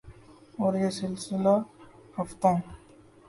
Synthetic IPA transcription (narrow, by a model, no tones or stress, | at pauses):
oːɾjesɪlsɪlahɐft̪õ